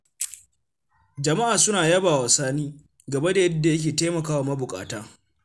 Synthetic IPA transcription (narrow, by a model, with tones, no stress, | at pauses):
d͡ʒɐ˨ma˦ʔaː˨sʊ˦naː˨jɐ˦baː˨wa˨saː˦niː˦ | ɡɐ˨bɐ˦da˨jɐ˦dːa˨jɐ˦k̬ʲeː˨teː˦mɐ˨kaː˦waː˨mɐ˦bʊ˨kʼa̰ː˨taː˦